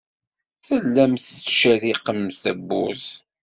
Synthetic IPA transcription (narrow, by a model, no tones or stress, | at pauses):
θəlːæmθt͡sːʃæɾiqəmθəbːʊ̰z